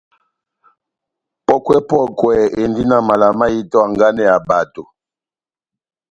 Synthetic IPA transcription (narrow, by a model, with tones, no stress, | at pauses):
pɔ˦kwɛ˦pɔ˦˨kwɛ˨e˨ndi˦na˨ma˨la˨ma˦ji˦tɔ˦a˨ŋɡa˦nɛ˦ja˨ba˨to˨